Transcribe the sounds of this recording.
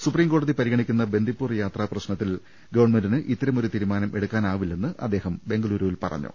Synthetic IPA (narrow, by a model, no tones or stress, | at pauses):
supriːmko̞ːɽɐðipɐɾiɡɐɳikʲːunːɐbe̞nd̪ʱipːuːrjaːt̪rɐːprɐɕnɐt̪ːil | ɡɐʋɐrɳme̞ndinɨʔit̪ːɐɾɐmo̞ɾut̪iːɾumaːnɐme̞ɽukːaːnaːʋilːe̞nːɨʔɐd̪ːe̞ːhɐmbe̞ŋɡɐluːɾuʋilpɐ̰rɐ̰ɲːṵ